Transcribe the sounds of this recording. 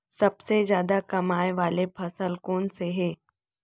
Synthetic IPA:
sɐbsezjaːd̪akɐmaːjʋaːlepʰɐsəlkoːnseɦɛː

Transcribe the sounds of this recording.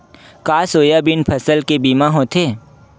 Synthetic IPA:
kaːsoːjabɪnpʰɐsəlkebiːmaɦõːt̪ʰeː

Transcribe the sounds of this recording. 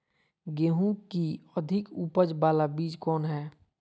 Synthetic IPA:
ɡeːɦũkiəd̪ʱɪkuːpəd͡ʒbaːlabiːd͡ʒkɔːnɦɛː

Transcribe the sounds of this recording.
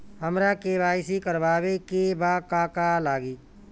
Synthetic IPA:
ɦəmɾakebaːɪsikəɾʋaːʋekebaːkaːkalaːɡiː

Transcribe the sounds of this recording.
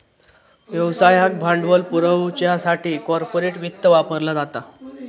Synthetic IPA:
ʋjəwsajək̚bʱãɳɖʋəlpuɾəwt͡ɕjasaʈʰiːkɔɾpoɾeʈʋit̪ːəʋapəɾlad͡zat̪a

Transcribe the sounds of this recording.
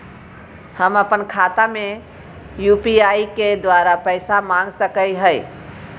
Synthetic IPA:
həməpənkʰat̪ame | jupiaiked̪ʋaɾapəɪsamãŋɡsəkəjɦəj

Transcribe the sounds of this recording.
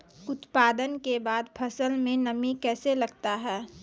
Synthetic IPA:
ʊt̪paːd̪ənkebaːd̪pʰɐsəlmẽnɐmikɛːselɐɡt̪aɦɛː

